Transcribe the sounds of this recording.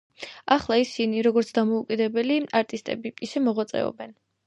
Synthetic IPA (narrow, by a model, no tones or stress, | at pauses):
aχlˠaisiniɾɔɡɔɾt̪sʰd̪amɔukʼid̪ɛbɛliaɾt̪ʼist̪ʼɛ̰biiʃɛmɔʁwat̪sʼɛ̰ɔ̰bɛn